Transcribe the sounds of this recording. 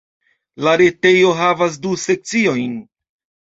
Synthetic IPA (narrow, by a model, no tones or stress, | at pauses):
laɾe̞te̞jo̞ɦavas̬duse̞k̚t͡sio̞jn